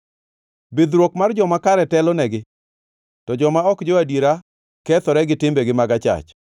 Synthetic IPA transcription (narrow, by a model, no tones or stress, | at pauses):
bɪd̪ɾwokmard͡ʒɔmakaɾɛtɛlɔnɛɡɪ | tɔd͡ʒɔmaɔkd͡ʒoadiɾa | kɛt̪ɔɾɛɡɪtɪmbeɡɪmaɡat͡ʃa̰t͡ʃ